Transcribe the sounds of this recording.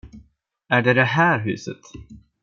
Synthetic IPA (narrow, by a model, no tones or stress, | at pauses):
æɖɛd̪ɛɦæːɾɦʉ̟̰ːsə̰t̪